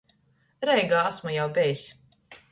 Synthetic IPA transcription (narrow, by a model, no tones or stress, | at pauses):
ɾɛjɡaːasmujawbʲɛjisʲ